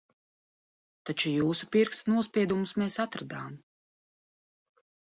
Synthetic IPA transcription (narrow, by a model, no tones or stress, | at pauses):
t̪at͡ʃujuːsupiɾkst̪nuɔspʲiɛd̪umusmɛːsat̪ɾad̪aːm